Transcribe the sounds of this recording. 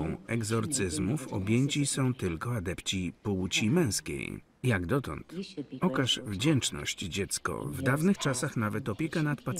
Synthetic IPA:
w̃ɛɡzɔɾt̪sɘzmufɔ̰bʲjɛɲt͡ɕisɔ̃w̃t̪ɘlkɔad̪ɛpt͡ɕipɔwut͡ɕimɛ̃w̃skʲḛj | jaɡd̪ɔt̪ɔ̰nt̪ɔkaʐvd͡ʑɛnt͡ʂnɔ̰ɕt͡ɕd͡ʑɛt̪skɔ̰vd̪avnɘxt͡ʂasaxnavɛt̪ɔpʲjɛkanat̪pat̪s

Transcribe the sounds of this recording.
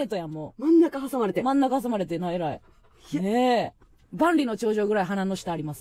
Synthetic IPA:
et̪ojãmːomãnːakahasamaɾet̪emãnːakahas̬amaɾe̞t̪̬enaeɾai | ne | bãnɾʲino̞t͡ɕo̞ːʑo̞ːɡɯ̟ɾaiɦananːo̞ɕi̥t̪aːɾʲimasɨ̥

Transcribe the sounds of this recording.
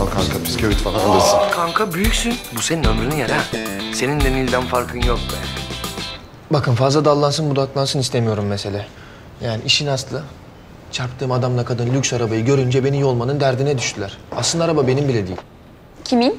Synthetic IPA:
alˠkʰaŋkʰapʰi̥scʰo̞vit̪falˠanalˠɯɾsɯnkʰaŋkʰabyjycsynbuseninømɾynyjanase̞nind̪enilʲd̪ænfaɾkʰɯnjok̚d̪ɛ̰ | bakʰɯnfazlˠad̪alˠːansɯnbud̪aklˠansɯnist̪ʰemijo̞ɾumːese̞lʲɛː | jaːniʔiʃinaslˠɯ | t͡ʃʰaɾpt̪ʰɯːmad̪amlˠakʰad̪ɯnlʲycʲsaɾabajɯɟø̞ɾynd͡ʒɛbe̞nijo̞lˠmanɯnd̪æɾd̪inɛd̪yʃt̪ʰylʲæɾ̥a̰slˠɯnd̪aɾababe̞nimbilʲɛd̪ḭːilʲ | cʲʰimin

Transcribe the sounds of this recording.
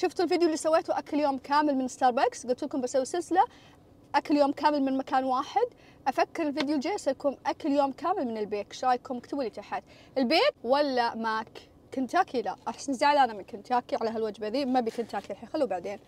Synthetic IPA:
ʃʊft̪ɪlviːd̪julːiːsawːeːt̪uʔakɪljoːmkʰaːmɪlmɪnɪst̪ɑːɾˤbaksɡʊlt̪lkʊmbasawːisɪlsɪla | ʔakɪljoːmkaːmɪlmɪnmakaːnwaːħɪd̪ | ʔafakːɪɾɪlfiːd̪juld͡ʒeːsajakuːnʔakɪljoːmkaːmɪlmɪnɪlbeːkʃɾˤɑːjkʊmʊkt̪abilːit̪aħat̪ | ʔɪlbeːt̪walːamak | kʊnt̪haːkʰilaʔaħsnɪzaʕalʔanamɪnkʊnt̪haːkiʕalaɦalwad͡ʒbaðiːmabikʊnt̪haːkiaħaːxalːubaʕd̪eːn

